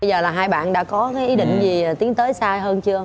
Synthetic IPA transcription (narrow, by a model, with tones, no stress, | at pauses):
ə˧jzəː˨˩laː˨˩ɦaː˧jɓa̰ː˧˨nɗa̰ː˧˥kɔ˨˦kaː˨˦jʔi˨˦ɗḭ˧˨ŋ̟zi˨˩˨t̪i˨˦əŋt̪əː˨˦jsaː˧jɦəː˧nt͡ɕɨ˧ə